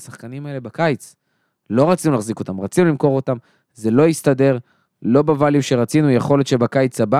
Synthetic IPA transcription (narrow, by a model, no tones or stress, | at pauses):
saχkanimaele̞bakajt͡s | lo̞ʁat͡sinulaχziko̞t̪amʁat͡sinulimko̞ʁo̞tam | ze̞lo̞jist̪ade̞ʁ | lo̞bavalimʃe̞ʁat͡sinujeχo̞le̞t̪ʃe̞bakajt͡saba